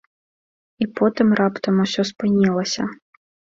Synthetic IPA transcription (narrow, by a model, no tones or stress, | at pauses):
ipɔt̪ɨmrapt̪ɐmusʲɔspɨnʲilˠɐsʲɐ